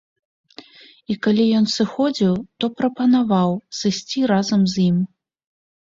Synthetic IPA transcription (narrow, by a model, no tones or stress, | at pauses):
ikalʲijɔn̪sɨxɔd͡zʲiwt̪ɔpɾɐpɐnavawsɨsʲt͡sʲiɾazɐmzjim